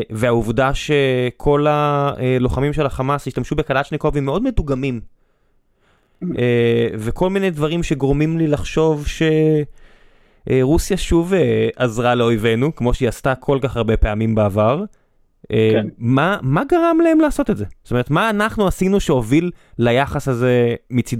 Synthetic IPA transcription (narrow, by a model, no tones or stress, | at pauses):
veauvdaʃe̞kʰo̞laelo̞χamimʃe̞laχamasiʃt̪amʃube̞kalaʃniko̞vemːeo̞dmetuɡamim | evekʰo̞lmine̞jdvaʁimʃe̞ɡʁomimlilaχʃo̞vʃe̞ | ʔʁusjaʃuveʔazʁale̞o̞jve̞nukmo̞ʃeiast̪akʰo̞lkaχaʁbe̞pe̞amimbeavaʁ | emamaɡaʁamlae̞mlaːso̞t̪etze̞sotomeet̪maːnaχnuasinuʃeo̞vilːajaχasaze̞mit͡sid